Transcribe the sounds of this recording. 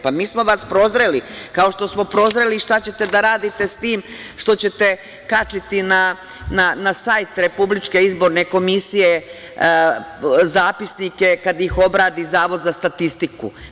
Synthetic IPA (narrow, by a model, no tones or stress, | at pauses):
pamiːsmo̞ʋaspɾo̞zɾelikao̞ʃt̪o̞smo̞pɾo̞zɾeliʃt̪at͡ɕe̞t̪e̞d̪aɾaːd̪it̪e̞st̪iːm | ʃt̪o̞t͡ɕe̞t̪e̞ | kat͡ʃit̪ina | nanasajt̪ɾe̞publit͡ʃke̞izbo̞ɾne̞ko̞misije̞ | zaːpisnike̞kad̪ixo̞bɾaːd̪izaːʋo̞d̪zast̪at̪ist̪ikṵ